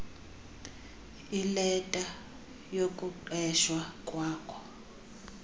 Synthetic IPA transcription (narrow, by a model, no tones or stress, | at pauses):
ilɛtʼa | jokʼuǃɛʃwakʼwaːkʰʼɔ̥